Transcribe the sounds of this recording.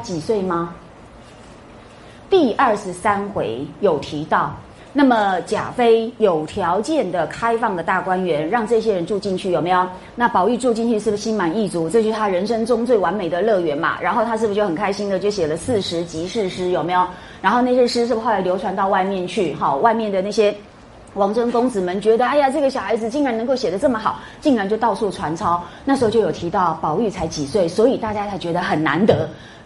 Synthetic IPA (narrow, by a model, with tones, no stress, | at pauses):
t͡ɕi˨˩swe˥˩ɪmɐ˩ | t̪i˥˧ə˥˩ʂɻ̩˧˥sa˥nxwe˧˥ɪjo˨˩ʊt̪ʰi˧˥t̪ɑ˥˩ʊ | na˥˩mə˨˩t͡ɕja̰˨˩fe˥ɪjo˨˩ʊt̪ʰjɑ˧˥ʊt͡ɕjɛ˥˩nd̪ə˩kʰa˥ɪfɑ˥˩ŋd̪ə˩t̪a˥˩kwa˥nɥɛ˧˥nɻɑ˥˧ŋʈ͡ʂɤ˥˧˩ɕ̬jɛ˥ɻə˧˥nʈ͡ʂu˥˧t͡ɕi˥˧nt͡ɕʰy˥˩o˨˩me˧˥ɪjo˨˩ʊ | na˥˩pɑ˨˩ʊy˥˧ʈ͡ʂu˥˧t͡ɕi˥˧nt͡ɕʰy˥˧ʂɻ̩˥˩bɕi˥nma˨˩ni˥˩t͡su˧˥ʈ͡ʂɤ˥˧t͡ɕʰy˥˩ʂt̪ʰa˥ɻə˧˥nʂɤ˥ŋʈ͡ʂʊ˥ŋt͡swe˥˩ɪwa˧˥nme˨˩d̪ə˨lɤ˥˩ɥɛ˧˥nbɐ̰˨ɻʔa̰˧˥nxo˥˩ʊa˥ʂ̬ɻ̩˥˩bu˩jo˥˩ʊxə˨˩ŋkʰa˥ɪɕi˥nd̪ə˨t͡ɕjo˥˩ʊɕjɛ˨˩lə˦sɹ̩˥˩ʂɻ̩˧˥t͡ɕi˧˥ʂɻ̩˥˩ʂɻ̩˥jo˨˩ʊme˧˥ɪjo˨˩ʊ | ɻa˧˥nxo˥˧ʊna˥˩ɕ̬jɛ˦˥ʂɻ̩˥ʂɻ̩˥˩bxʊa˧˥ljo˧˥ʊʈ͡ʂʰwa˧˥nt̪ɑ˥˧wa˥˧ɪmjɛ˥˧nt͡ɕʰy˥˩xɑ˥˩wa˥˧ɪmjɛ˥˩nd̪ə˩na˥˩ɕ̬jɛ˥ | wɑ˧˥ŋʈ͡ʂʰə˥ŋkʊ˥ŋt͡sɹ̩˨˩mə˧˦nt͡ɕɥɛ˧˥d̪ə˧a˥ɪja˨˩ʈ͡ʂɤ˥˩ɡə˩ɕjɑ˨ʊxa˧˥ɪd͡zɹ̩˨t͡ɕi˥˩ŋɻa˧˥n˧ŋko˥˩ʊɕjɛ˨˩d̪ə˦ʈ͡ʂɤ˥˩mə˩xɑ˨˩ʊ | t͡ɕi˥˩ŋɻa˧˥nt͡ɕjo˥˧ʊt̪ɑ˥˧ʊsu˥˩ʈ͡ʂʰwa˧˥nt͡sʰɑ˥ʊna˥˩ʂɻ̩˧˥o˥˧˩jo˥˩jo˨˩t̪ʰi˧˥t̪ɑ˥˩ʊpɑ˨˩ʊy˥˩t͡sʰa˧˥ɪt͡ɕi˨˩swe˥˩ɪswɔ˧˥i˨˩t̪a˥˩t͡ɕja˥t͡sʰa˧˥ɪt͡ɕɥɛ˧˥d̪ə˧xə˨˩nna̰˧˥nt̪ɤ˧˥